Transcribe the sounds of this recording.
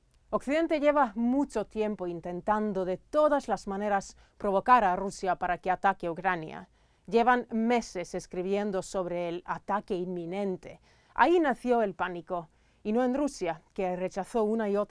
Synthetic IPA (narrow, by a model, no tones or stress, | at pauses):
okθiðe̞nt̪e̞ʝe̞βamut͡ʃo̞t̪je̞mpoint̪ẽ̞nt̪and̪o̞ðe̞t̪o̞ðazlazmãne̞ɾas | pɾo̞β̞o̞kaɾarusjapaɾakeat̪akeukɾanja̰ | ʝe̞βanme̞se̞se̞skɾiβ̞je̞nd̪o̞so̞βɾe̞ːla̰t̪ake̞inmːĩnẽ̞nt̪e̞̰ | a̰inaθjo̞e̞lpaniko̞ | ino̞enrusjake̞re̞t͡ʃaθo̞unaiot̪